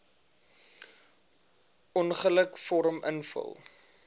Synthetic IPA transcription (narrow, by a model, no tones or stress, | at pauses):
ɔnχələkfɔɾəmə̰nfə̰lˠ